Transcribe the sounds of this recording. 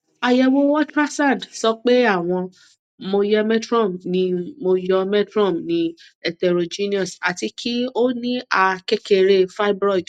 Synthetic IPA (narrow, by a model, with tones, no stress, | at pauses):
a˨jɛ˧wo˦wɔ˦tɾa˦sã˦˨ndsɔ˦k͡pe˦a˦˨w̃ɔ̃˧ | mo˧jɛ˧mɛ˦tɾɔ̃˦˨mnĩ˧mo˧jɔ˧mɛ˦tɾɔ̃˦˨mnĩ˧ | ɛ˨tɛ˨ɾo˨d͡ʒi˦nĩ˦ɔ̃˦˨sa˨ti˧kʰi˦o˦nĩ˦a˧kɛ˦ke˨˧˨ɾe˧˨fa˦bɾɔ˦˨d